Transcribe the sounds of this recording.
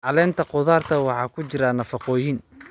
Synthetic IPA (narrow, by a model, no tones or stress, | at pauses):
ʕɑlɛːnt̪ʰɐqʊðaːrt̪ʰɐwɑħɑːkʰʊt͡ʃɪɾɐnɐfɑqɔːjin